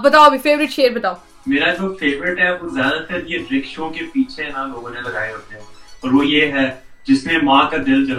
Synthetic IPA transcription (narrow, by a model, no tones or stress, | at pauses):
bɐt̪aːobifeːʋɾɪʈʃeːɾbɐt̪aːo | meːɾad͡ʒoːfeːʋɾɪʈɦɛʋozjaːd̪at̪əɾjeɖɾɪkʃõkepiːt͡ʃʰeɦãloːɡõnebɐla̰ːeɦoːt̪eɦɛ̃ɔːɾʋojeɦɛ | d͡ʒɪsnẽmãːkad̪ɪld͡ʒɐl